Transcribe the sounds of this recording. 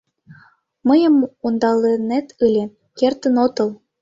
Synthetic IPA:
məjə̆mund̪ɑlenet̪ʰɯlʲe | kert̪ə̆not̪ɤ̆l

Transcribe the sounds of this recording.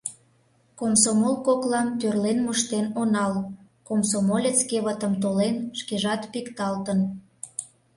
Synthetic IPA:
komsomolkoklɑmt̪ørlenmuʃt̪enonɑl | komsomolʲet͡skeβət̪əmt̪olenʃkeʒɑt̪pikt̪ɑlt̪ən

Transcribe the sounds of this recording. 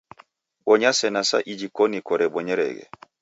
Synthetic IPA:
ɓɔɲasɛnasa̰ʔid͡ʒikɔnikɔɾɛɓɔɲɛɾɛ̰ɡɛ̰

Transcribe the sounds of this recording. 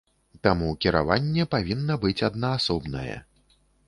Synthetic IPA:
t̪amukʲiɾa̰vanʲːɛpavʲinːɐbɨt͡sʲad̪nɐːsɔbnɐ̰jɛ̰

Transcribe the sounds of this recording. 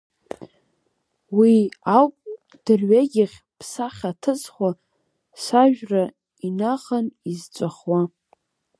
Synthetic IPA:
wiawpʼ | d̥ɨrɥeɡʲɪχʲ | pʰsaχʲatʰɨt͡sʼχʷa | saʒᶣra | inaχanizt͡ʃʷʼaχwa

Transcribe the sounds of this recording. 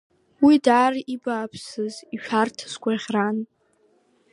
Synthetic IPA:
widaːribaːpʰsɨziʃᶣartʰɨ̥skʷʰʼaiʁʲran

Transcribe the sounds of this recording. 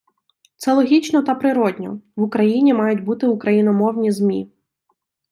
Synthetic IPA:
t̪sɛlˠɔɦʲit͡ʃnɔt̪ɐpɾɪɾɔdʲnʲɔ̰ʋʊkɾɐjinʲimɑjʊtʲbut̪ɪukɾɐjinɔmɔwnʲizmʲḭ

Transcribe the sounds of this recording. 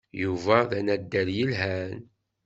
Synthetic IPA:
juvæðænæd̪ːæljəlɦæn

